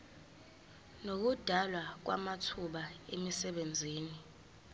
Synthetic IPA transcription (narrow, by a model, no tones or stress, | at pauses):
nok̬ud̥ʱalwak̬wa̰matʰuɓaemisɛɓend͡zʱiːni